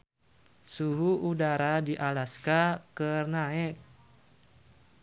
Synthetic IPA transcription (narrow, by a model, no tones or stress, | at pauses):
suɦuudaɾadiʔalaskakərnaɛk̚